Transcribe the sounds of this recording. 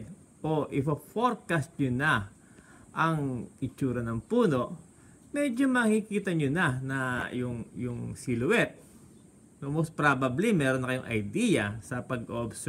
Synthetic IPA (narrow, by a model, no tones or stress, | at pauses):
d̪̚ | ʔoʔɪfɐfoɹkɐst̪̚ɲonɐ | ʔɐŋɪt͡ʃuːɾɐnɐŋpuːno̞ʔ | mɛd͡ʒo̞mɐkikiːt̪ɐɲonɐnɐjʊŋjʊŋsɪlʊwɛt̪̚ | nomost̪̚pɾaːbɐblimɛːɾonːɐkɐjʊŋʔɐ̰jd̪iːjɐsɐpɐɡʔoʔobsɛ